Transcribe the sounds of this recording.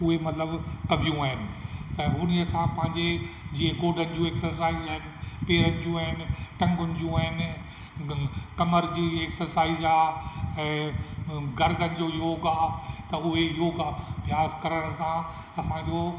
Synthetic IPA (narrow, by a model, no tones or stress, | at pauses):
ʊɦemɐt̪ləbkɐbʱijũaːɦɪnɪ̆t̪ɐɦʊnsãpɐ̃ɦɪ̃ɲd͡ʑed͡ʑiːẽɡoːɖʱənɪ̆d͡ʑũeːksəɾsaːizaːɦɪnɪ̆peːɾənɪ̆d͡ʑũːaːɦɪnɪ̆ʈɐ̃ŋɡʊnɪ̆d͡ʑũaːɦɪnɪ̆ | kɐməɾd͡ʑiːeːksəɾsaːizaːɛ̃ː | ɡɐɾd̪ʱənɪ̆d͡ʑoːjoːɡaːt̪ɐʊɦejoːɡaːbʱjaːzkɐɾəɽ̃sã | ɐsãd͡ʑoː